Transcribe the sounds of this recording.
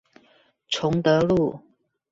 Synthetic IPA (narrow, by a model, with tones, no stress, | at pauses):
ʈ͡ʂʰʊ˧˥ŋt̪ɤ˧˥lu˥˨